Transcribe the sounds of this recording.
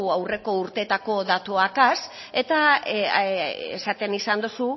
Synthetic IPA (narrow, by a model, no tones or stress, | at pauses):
awre̞ko̞uɾt̪e̞t̪ako̞ðat̪oakas | e̞t̪a | ḛsat̪e̞nisand̪osu